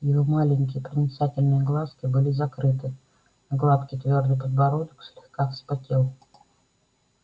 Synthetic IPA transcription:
jɪvomalʲɪŋʲkʲɪjəpɾʲənʲɪt̪satʲɪlʲnɨjəɡlˠaskʲɪbɨlʲɪzɐkɾɨt̪ɨ | ɡlˠat̪kʲɪjt̪vʲo̞rd̪ɨjp̬əd̪bɐɾod̪əkʂlʲɪxkaxspɐtʲelˠ

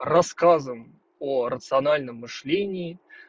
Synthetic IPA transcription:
rɐskazəm | oɾət̪sɨɐnalʲnəmːɨʂlʲenʲɪː

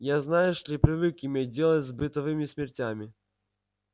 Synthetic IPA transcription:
jaznajʊʂlʲipɾʲɪvɨkɪmʲedʲelˠətʲzbɨt̪ɐvɨmʲɪsʲmʲɪrtʲamʲɪ

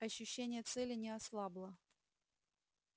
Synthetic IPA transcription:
ɐɕːʉɕːenʲɪjət̪sɛlʲɪnʲɪaslˠablˠə

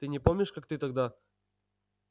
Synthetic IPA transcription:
t̪ɨnʲɪpomnʲɪʂkak̚t̪ɨt̪ɐɡd̪a

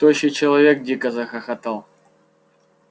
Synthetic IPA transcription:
t̪oɕɪt͡ɕɪlˠɐvʲek̚dʲikəzɐxɐxɐt̪alˠ

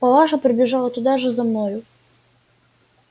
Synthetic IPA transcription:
pɐlˠaʂəpɾʲɪbʲɪʐalˠət̪ʊd̪aʐɨzɐmnojʊ

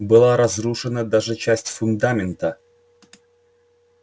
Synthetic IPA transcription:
bɨlˠaɾɐzɾuʂɨnəd̪aʐɨt͡ɕæsʲtʲfʊnd̪amʲɪnt̪ə

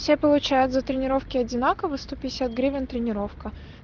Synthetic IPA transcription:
fsʲepəlˠʊt͡ɕæjʊt̪zət̪ɾʲɪnʲɪɾo̞fkʲɪɐdʲɪnakəvəst̪opʲɪɪsʲat̪̚ɡɾʲivʲɪnt̪ɾʲɪnʲɪɾo̞fkə

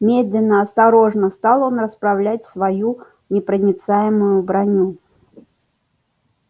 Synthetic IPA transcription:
mʲed̪lʲɪnːəɐst̪aɾɔʐnəst̪alˠɔnrəspɾawlʲat͡sʲsvaju | nʲɪpɾənʲɪt̪sajɪmʊjʊbɾanʲu

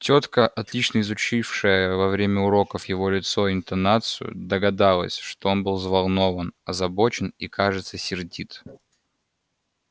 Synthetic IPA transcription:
tʲo̞t̪kəʔɐt̪lʲit͡ɕnəɪzʊt͡ɕifʂɨjəvɐvɾʲemʲəʊɾo̞kəfjɪvo̞lʲɪt̪so̞ɪnt̪ɐnat̪sɨjʊ̰d̪əɡɐd̪alˠə̰sʲʂt̪oo̞nbɨlˠzvɐlˠno̞vənɐzɐbot͡ɕɪnikaʐɨt̪səsʲɪrdʲit̪

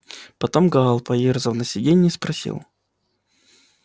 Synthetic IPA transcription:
pɐt̪omɡaːlˠpɐjerzəvˠnəsʲɪdʲenʲɪispɾɐsʲḭlˠ

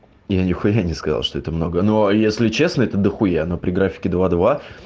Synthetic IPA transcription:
janʲɪxʊjanʲɪskɐza̰lˠʂt̪oɛt̪əmno̞ɡənojesʲlʲɪt͡ɕe̞snəɛt̪əd̪əxʊjanopɾʲɪɡɾafʲɪ̥kʲɪd̪vad̪va

